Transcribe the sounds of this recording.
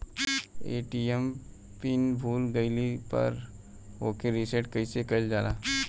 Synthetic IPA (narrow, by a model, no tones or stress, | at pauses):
eːʈiem | piːnbʱuːlɡəɪlipɐ̰ɾ | oːkeɾiseʈkəisekɐɪld͡ʒaːla̰ː